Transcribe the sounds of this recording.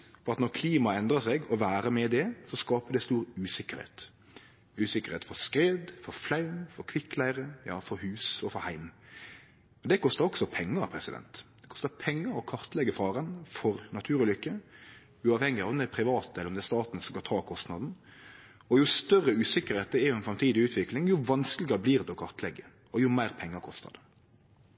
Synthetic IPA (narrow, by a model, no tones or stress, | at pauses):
fɔɾɑt̪nɔɾkʰliːmɑɛnd̪ɾəsɛɡɔʋæːɾəmɛd̪ɛsɔskɑːpəd̪ɛst̪uːɾʉːsɪkːəɾhḛːt̪ | ʉːsɪkːəɾheːt̪fɔɾskɾeːd̪fɔɾflɑʉmfɔɾkʰʋɪkːlæɪɾəjɑ̰ːfɔɾhʉːsɔfɔɾhæɪm | mɛnd̪ɛkʰɔst̪əɾɔksɔpʰɛŋːəɾɑpʰɾɛsɪd̪ɛ̰nt̪d̪̥ɛkʰɔ̥st̪əɾpʰɛŋːəɾɔkʰɑɾt̪lɛɡəfɑːɾənfɔɾnɑt̪ʰʉːɾʉlʏkːə | ʉːɑːʋhɛŋːɪɑʋd̪æɪpʰɾɪʋɑːt̪əɛlːɾɔmd̪ɛæst̪ɑːt̪n̩sɔɡɑt̪ʰɑːkʰɔst̪nɑd̪n̩ | ɔjʊst̪œrːəʉːsɪkəɾheːt̪̚d̪ɛɛɾjʊɛnfɾɑmt̪ʰiːd̪ɪʉːt̪ʰʋɪklɪŋjʊʋɑnskəlɪɡəbliːʁd̪ɛɔkʰɑɾt̪lɛɡːə | ɔjʊmæɪɾpʰɛŋːəɾkʰɔst̪ə̰ɾd̪ɛ